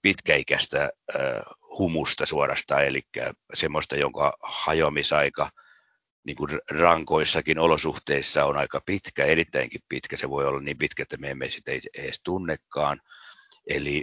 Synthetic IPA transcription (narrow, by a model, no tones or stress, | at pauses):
pit̪kæikæst̪æ | humust̪ɑsuorɑ̰st̪ɑːelikːæ̰semːost̪ɑjoŋkɑ̰hɑjoɑmisɑikɑ | niːŋkurrɑŋkoisːɑkinolosuht̪eisːɑonɑikɑpit̪kæerit̪ːæiŋkippit̪kæseʋoiolːɑnniːmpit̪kæet̪ːæmeæmːesi̥t̪eieːst̪unːekːɑːn | eli